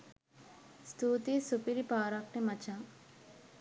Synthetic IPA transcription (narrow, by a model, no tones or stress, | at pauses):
st̪uːt̪isupiɾipaːɾak̚ʈimɐt͡ʃa